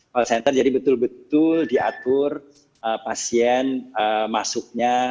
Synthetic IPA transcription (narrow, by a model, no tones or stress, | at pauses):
alsɛnt̪ərd͡ʒadibət̪ʊlbət̪ʊldia̰t̪ʊr | əpasiɛnəmasʊk̚ɲa